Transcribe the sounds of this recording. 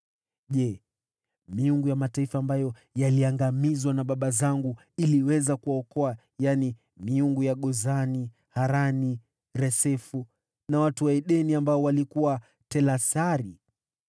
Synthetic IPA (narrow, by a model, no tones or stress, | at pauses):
ʄɛ | miuŋɡujamataifaːmbajɔ | jaliaŋɡamizwanaɓaɓazaŋɡu | iliwɛzakuwaɔkɔa | jani | miuŋɡujaɠɔzani | haɾani | ɾɛsɛfu | nawatuwaɛɗɛniambaɔwalikuwa | tɛlasaɾi